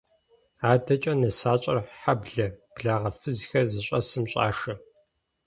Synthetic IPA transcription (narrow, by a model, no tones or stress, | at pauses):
aːdɐt͡ʃʼɐnɐsaːt͡ʃʼɐ̰rħabɮɐb̥ɮaːʁɐfɨzixɐrzɨɕʼɐ̰sɨmɕʼa̰ːʂɐ